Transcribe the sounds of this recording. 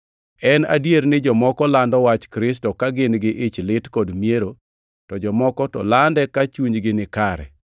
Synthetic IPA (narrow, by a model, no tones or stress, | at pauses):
ɛnadjeɾnɪd͡ʒɔmɔkɔlandɔwat͡ʃkɾɪs̬tɔkaɡɪnɡɪʔɪt͡ʃlɪtkodmieɾo | tɔd͡ʒɔmɔkɔtɔ̰landɛkat͡ʃuɲɡɪnɪkaɾɛ̰